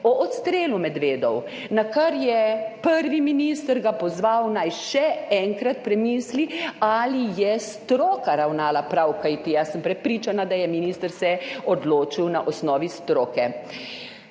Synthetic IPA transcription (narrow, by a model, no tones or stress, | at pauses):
ɔʔɔt̪st̪ɾeːlumɛd̪ʋeːd̪ɔw | nakaɾjɛpəɾʋiminist̪əɾɡapɔzʋawnajʃɛɛŋkɾat̪pɾɛmiːslialijɛst̪ɾoːkaɾawnaːlapɾawkajt̪ijasəmpɾɛpɾiːt͡ʃanad̪ajɛminiːst̪əɾsɛɔd̪loːt͡ʃiwnaʔɔsnɔːʋist̪ɾoːkɛ